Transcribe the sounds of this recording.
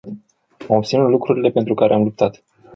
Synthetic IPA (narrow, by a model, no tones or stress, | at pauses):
amop̚t̪sinut̪lukɾuɾile̞pe̞nt̪ɾukaɾeamlup̚t̪at̪